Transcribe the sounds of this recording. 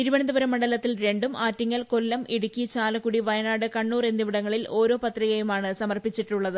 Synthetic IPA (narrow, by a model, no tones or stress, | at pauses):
niɾuʋɐɳɐnd̪ɐbɐɾɐmːɐɳɖɐlɐt̪ːilɾe̞ɳɖumaːtːiŋːɐlko̞lːɐmiɽukʲːit͡ɕaːlɐkːuɽiʋɐjɐnaːɽɨkɐɳːuːrend̪iʋiɽɐŋːɐɭilo̞ːɾo̞ːpɐt̪riɣɐjumaːɳɨsɐmɐrpit͡ɕːiʈːuɭːɐðɨ